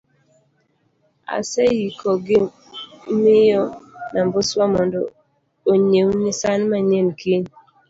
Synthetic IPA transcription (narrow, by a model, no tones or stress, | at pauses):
a̰sɛjikɔɡɪ | mɪjɔnamboswamɔndɔ | oɲewnɪsanmaɲemkiɲ